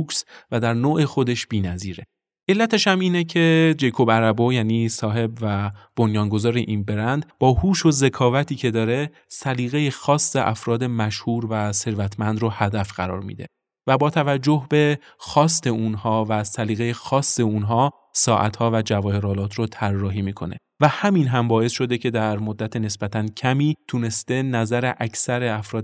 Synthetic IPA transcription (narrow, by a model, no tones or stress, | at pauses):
ksvæd̪æɾnoːʔe̞xo̞d̪e̞ʃb̥iːnæziːɾe̞ | ʔe̞lːæt̪ʰeʃæmiːnecʰe̞d͡ʒe̞jkʰobæɾæbojæːniːsɒːɦe̞bvæb̥onjɒːnɡo̞zɒːɾe̞ʔinbe̞ɾænd̪b̥ɒːhuːʃoze̞kʰɒːvæt̪ʰiːcʰe̞d̪ɒːɾe̞ | sæliːɣe̞jexɒːsːeʔæfɾɒːd̪e̞mæʃhuːɾvæse̞ɾvæt̪ʰmænd̪ɾohæd̪æfɢ̥æɾɒ̰ːɾmḭːd̪e̞̰ | væbɒːt̪ʰævæd͡ʒːo̞hbe̞ | xɒːst̪e̞unhɒːvæsæliːɣe̞jexɒːsːe̞unɦɒː | sɒːʔæ̰t̪hɒːvæd͡ʒævɒːhe̞ɾɒːlɒːt̪ʰɾot̪ʰærːɒːɦiːmiːkʰo̞nḛ | væhæminɦæmbɒːe̞sʃo̞d̪ecʰe̞d̪æɾmod̪ːæt̪ʰene̞sb̥æt̪ʰæncʰæmiːt̪ʰune̞st̪e̞næzæɾe̞ʔæcʰsæɾeæfɾɒːd̪